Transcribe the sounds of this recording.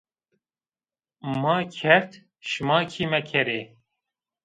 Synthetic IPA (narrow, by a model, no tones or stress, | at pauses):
mɑːkʰɛɾt̪ | ʃɨmɑːkʰiːmɛkʰɛɾeː